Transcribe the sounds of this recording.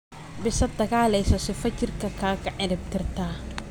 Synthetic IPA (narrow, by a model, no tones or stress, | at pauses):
bɪsɐd̪ɐɣaːlɛjsɔsɪfɐt͡ʃɪrkʰɐkʰaːkʰɐʕɪnɪb̚t̪ʰɪrt̪ʰaː